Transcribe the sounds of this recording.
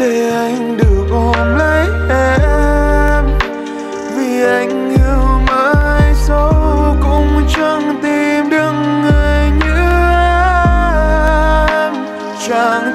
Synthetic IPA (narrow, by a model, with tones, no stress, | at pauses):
t̪e˧˨˩ʔa˧jŋ̟ɗɨ˨˩ək̚ʔo˧˩nlə˧˦˥jʔɛ˧ | m | vi˨˩ʔa˧jŋ̟ːi˧˩wməː˧jsə˧wkʊ̰˧˥ŋ͡mt͡ɕə˧ŋt̪i˧mɗɨ˧ŋːɨ˨˩əəjjɲɨ˧˥ʔɛ˧ | m | t͡ɕa˧˩ŋ